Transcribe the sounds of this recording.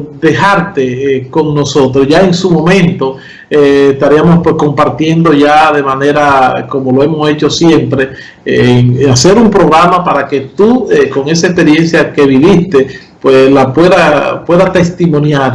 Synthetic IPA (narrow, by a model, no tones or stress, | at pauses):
d̪e̞haɾt̪e̞ko̞ŋno̞so̞t̪ɾosʝaeŋsumo̞mẽ̞nt̪o̞ | eːst̪aɾiamo̞spwe̞sko̞mpaɾt̪je̞nd̪o̞ʝaðe̞mane̞ɾako̞mo̞loe̞mo̞se̞t͡ʃo̞sje̞mpɾe̞ | ŋase̞ɾumpɾo̞ɣɾamapaɾake̞t̪ueko̞ŋe̞saespe̞ɾje̞nsjake̞βiβist̪e | pweslapwe̞ðapwe̞ðat̪e̞st̪imõ̞njaɾ